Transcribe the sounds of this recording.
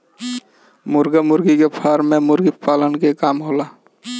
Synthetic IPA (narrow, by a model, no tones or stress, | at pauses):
mʊɾɡamʊɾɡikepʰaːɾmẽmʊɾɡipaːlənkekaːmɦoːlaː